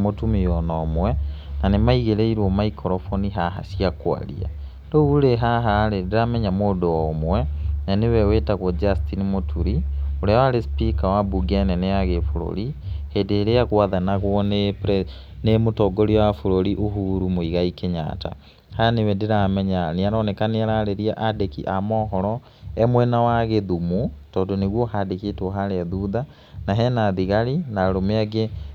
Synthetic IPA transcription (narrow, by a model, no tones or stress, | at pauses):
motumiɔnɔːmwɛnanemaiɣeɾeiɾwɔmaikʰɔɾɔfoniɦaɦa̰sjiakwa̰ɾḭa̰ | douuɾeɦaɦaɾedeɾamɛɲamoːdoɔomwɛnanewɛweːtaɣwɔd͡ʒastinimotuɾioɾeawaɾespikawabuɡɛnɛneaɣefoɾo̰ɾihedeːɾeakwaðanaɣwɔnep | nemotɔɡoɾiwafoɾoɾiʔoɦuːɾumoiɣaikeɲa̰ta̰ | hanewɛdeɾamɛɲaniaɾɔnɛkaneaɾaɾeɾiaʔadekiʔamɔːɦɔɾɔ | ɛmwɛnawaɣeðumutɔːdoneɣwɔhadeketwoɦaɾeaðuða | naɦɛnaðiɣaɾinaɾomeaɡe